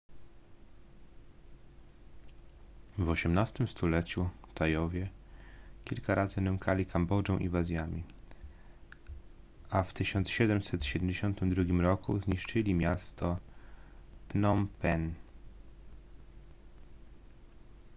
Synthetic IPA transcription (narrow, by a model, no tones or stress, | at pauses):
vɔɕɛmnast̪ɘmst̪ulɛt͡ɕut̪ajɔvʲjɛ | kʲilkaɾʔazɘnɛŋkalʲikʰambɔd͡ʐɛ̃w̃ʔḭvazʲjamʲi | aft̪ɘɕɔnt̪sɕɛd̪ɛmsɛt̪ɕɛd̪ɛmd͡ʑeɕɔnt̪ɘmd̪ɾuɡʲimɾɔkṵzɲiʂt͡ʂɘlʲimʲjast̪ɔ | pnɔmpɛn